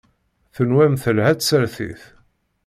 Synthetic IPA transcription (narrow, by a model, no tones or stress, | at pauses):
θənwæmθəlhæt͡ssəɾθḭθ